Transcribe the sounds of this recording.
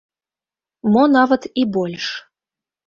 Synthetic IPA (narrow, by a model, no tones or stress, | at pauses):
monɑvət̪ibolʲʂ